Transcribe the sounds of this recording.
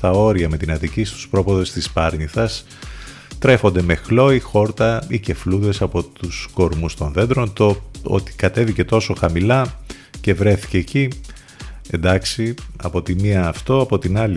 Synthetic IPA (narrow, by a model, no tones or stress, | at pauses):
t̪ɐo̞ɾiɐme̞t̪inɐt̪icist̪u̥spɾo̞poðe̞st̪ispɐɾɲiθɐs | t̪ɾe̞xo̞nd̪e̞me̞xlo̞ixo̞ɾt̪ɐice̞fluðe̞sɐpo̞t̪usko̞ɾmust̪o̞nðe̞nd̪ɾo̞nt̪oo̰t̪i̥kɐt̪e̞vice̞t̪o̞so̞xɐmilɐ | ce̞vɾe̞θi̥ce̞ːci | e̞nd̪ɐksiɐ̰po̞t̪iniɐːft̪o̞ɐpo̞t̪inɐli